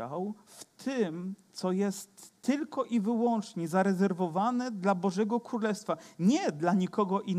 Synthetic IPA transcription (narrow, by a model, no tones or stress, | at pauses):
aw | ft̪ʰɘmt̪sɔjɛst̪ːɘlkɔʔivɘwɔnt͡ʂɲɛzaɾɛzɛɾvɔvanɛd̪labɔʐɛɡɔkɾulɛfst̪faɲɛd̪laɲikɔɡɔʔin